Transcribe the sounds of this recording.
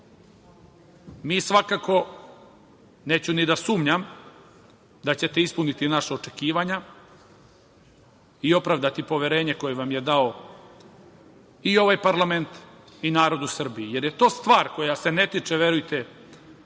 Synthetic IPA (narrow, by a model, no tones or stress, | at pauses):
miːsʋakaːko̞ | ne̞ːt͡ɕunid̪asuːmɲam | d̪at͡ɕe̞t̪ispunit̪inaʃao̞t͡ʂe̞kiːʋaɲa | io̞pɾaʋd̪at̪ipo̞ʋe̞ɾe̞ːɲeko̞jeʋamje̞d̪ao̞ | io̞ʋajpaɾlˠame̞nt̪ | inaːɾo̞d̪usr̩biije̞ɾjet̪o̞ːst̪ʋaːɾko̞jase̞ne̞t̪it͡ʂeʋe̞ɾujt̪e